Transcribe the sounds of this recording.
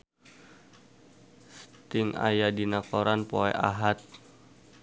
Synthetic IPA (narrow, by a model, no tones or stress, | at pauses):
st̪ɪŋa̰jadinakoɾanpoɛ̰ʔa̰ɦat̪̚